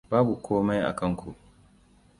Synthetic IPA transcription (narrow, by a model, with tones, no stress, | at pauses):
baː˦bu˨kʷʰoː˦ma˦jʔa̰˨kɐ˦ŋkʷṵ˨ʔ